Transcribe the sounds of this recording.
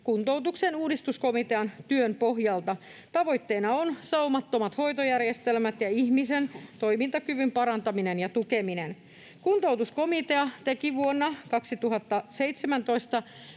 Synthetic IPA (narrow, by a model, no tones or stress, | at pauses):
kunt̪owt̪uksenuːdist̪usko̞mit̪eɑnt̪yønpo̞ɦjɑlt̪ɑ | t̪ɑʋo̞jt̪ːeːnɑonsɑumɑt̪ːo̞mɑt̪ho̞jt̪ojærje̞st̪e̞lmæt̪jɑihmise̞nt̪o̞jmint̪ɑkyʋympɑɾɑnt̪ɑmine̞njɑt̪ukeminen | kunt̪o̞wt̪usko̞mit̪e̞ɑt̪e̞kiʋuonːɑkɑksit̪uɦɑt̪ːɑse̞jt̪semænt̪o̞ist̪ɑ